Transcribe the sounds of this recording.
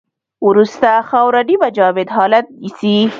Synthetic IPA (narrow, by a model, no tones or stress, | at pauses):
wɾust̪axɑwɾaɖibad͡ʒɑːwɪd̪ɦɑlat̪̚isi